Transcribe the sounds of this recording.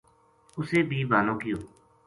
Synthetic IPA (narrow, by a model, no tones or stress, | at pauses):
ʊseːbʱiːbʱaːnõːkɪjoː